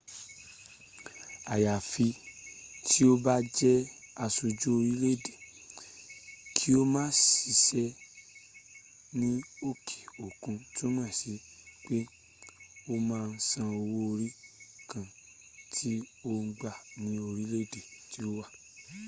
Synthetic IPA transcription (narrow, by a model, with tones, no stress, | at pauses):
a˨ja˨fi˧ | tʰi˦o˦ba˦d͡ʒɛ˦a˧su˧d͡ʒo˦o˧ɾi˦le˦de˨ | kʰi˦o˦mãː˦si˧sɛ˧ | nĩ˦o˦kʰi̥˨o˨kũ˧ti˦o˦mã˦˨si˨˦ | k͡pe˦ | o˦mãː˦˧n̩˦sã˧o˧wo˦o˧ɾi˦kã˨ | tʰi˦o˦ŋ̩˦ɡ͡ba˦˨nĩ˦o˧ɾi˦le˦de˨ti˦o˦wa˦˨